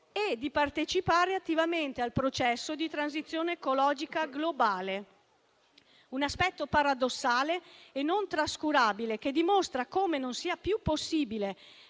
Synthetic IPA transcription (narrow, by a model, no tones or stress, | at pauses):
ed̪ːipart̪et͡ʃipaːɾeat̪ːivament̪ealpɾot͡ʃɛsːod̪it̪ɾanzit̪sːjoːneːkolɔːd͡ʒikaɡlobaːle | unaspɛt̪ːopaɾad̪osːaːleːnont̪ɾaskuɾaːbilek̟ed̪imost̪ɾakoːmenonsiːapjupːosːiːbile